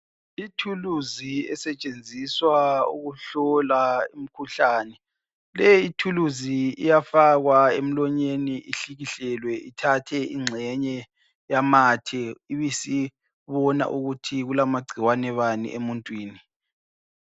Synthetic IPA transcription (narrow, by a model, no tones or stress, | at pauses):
itʰuluziɛ̰sɛt͡ʃʼend͡zʱiswaṵɣuɬɔlaim̩kʰuɬaːnɛ | lɛitʰuluziijafaɣwaem̩lɔɲeniʔiɬiɣiɬɛlwɛʔitʰatʰɛiŋ͡ǀʱɛɲɛ | jamaːtʰɛiβisi | βɔna̰ʔuɣutʰiɣulamaɡ͡ǀʱiwanɛβanḭʔemuntʼwiːni